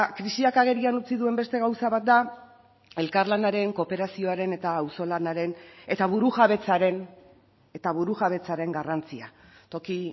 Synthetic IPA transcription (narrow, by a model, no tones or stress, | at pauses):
kɾisiakaɣ̞e̞ɾianut͡siðue̞mbe̞st̪e̞ɣ̞awsaβat̪̚d̪a | e̞lkarlanaɾe̞ŋko̞pe̞ɾasio̞aɾe̞ne̞t̪aːwso̞lanaɾe̞ne̞t̪aβ̞uɾuʝaβe̞t͡saɾe̞n | e̞t̪aβuɾuʝaβe̞t͡saɾe̞ŋɡarant͡sia | t̪o̞ki